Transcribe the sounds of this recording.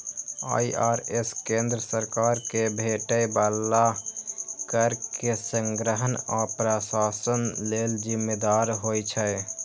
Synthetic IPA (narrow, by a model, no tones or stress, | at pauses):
a̰jʔaɾeskẽnd̪ɾəsəɾkaɾkebʱeʈəjbalːa | kəɾkesə̃ŋɡɾəɦənapɾəsasənleld͡ʒimːed̪aɾɦojt͡ʃʰə